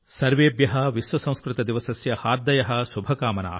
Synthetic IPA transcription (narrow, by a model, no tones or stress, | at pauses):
sɐɾʋeːbjɐɦɐʋisʋɐsɐ̃w̃skɾɪt̪ɐd̪iʋɐsɐsjɐhaːɾd̪ɐjɐɦɐ̆ʃubʱɐkaːmɐna̰ː